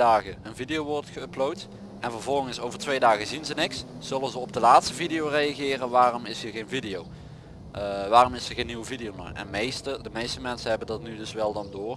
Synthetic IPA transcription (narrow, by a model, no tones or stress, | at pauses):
aːɣəənvidijowʋɔɹtχəplowt | ʔɛnvəɹvɔlˠɣənsowvəɹtʋejdaːɣəzinzənɪksz̥ɵlənzəɔbdəlaːtstəvidijowrejɑɣɪːrənʋaːrɔmɪsɦiːɹɣejnvidijow | ʋaːrɔmɪsəɣejnːiwəvidɪjowno̰jɛ̰nmejstədəmejstəmɛnsənɦɛbəndɑtnydɵsʋɛlˠdɑndʊːr